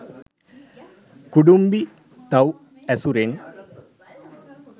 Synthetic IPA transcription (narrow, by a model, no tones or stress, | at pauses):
kuɽumbi | t̪ɐw | ɐsuɾen